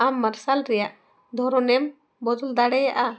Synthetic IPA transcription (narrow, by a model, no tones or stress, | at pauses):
amːaɾsalɾɛjaʔ | d̪ʱɔɾɔnɛm | bɔd̪ɔld̪aɽɛja̰ʔa